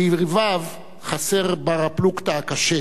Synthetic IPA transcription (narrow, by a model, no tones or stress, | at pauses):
iʁvav | χaseʁbaʁaplukt̪akaʃe